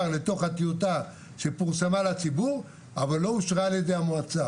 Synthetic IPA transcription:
ʁle̞t̪o̞χat̪iot̪a | ʃe̞puʁsamalat͡sibuʁ | avalːo̞uʃʁaːljed̪e̞jamoat͡sa

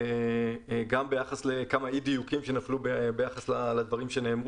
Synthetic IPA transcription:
e | ɡambe̞jaχasle̞kamaid̪ijukimʃe̞naflubebe̞jaχaslalad̪vaʁimʃe̞ne̞ːmʁ

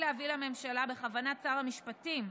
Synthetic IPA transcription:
leavilame̞mʃalabe̞χavanat͡saʁamiʃpatim

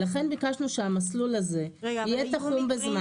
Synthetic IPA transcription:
laχe̞nbikaʃnuʃeamaslulaze̞ijet̪aχumbezma

